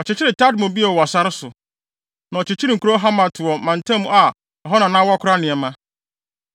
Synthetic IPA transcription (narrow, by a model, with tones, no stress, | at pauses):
ɔ˨t͡ɕɪ˨t͡ɕʰɪ˦ɾɪ˨tʰa˦dmɔ̃˨bi˦ɛ˨wɔ˨sa˦ɾɪ˦sʊ˨ | nã˨ɔ˨t͡ɕʰɪ˨t͡ɕʰɪ˦ɾɪ˦˨ŋ̩˨ku˨ɾo˦ɦa˦mã˨tʰʊ˨ɔ˨mã˨n˨tʰã˦mũ˦a˨ | ɔ˨ɦɔ˦nã˨nã˦wɔ˦kʰʊ˦ɾa˦nɪ̃˨ɛ˨mã˦